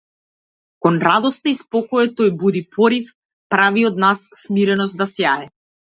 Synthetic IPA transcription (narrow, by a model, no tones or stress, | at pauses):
kɔnɾad̪ɔst̪aispɔkɔɛt̪ɔjbud̪ipʰɔɾif | pɾaviɔd̪nasːmiɾɛnɔst̪d̪asjaɛ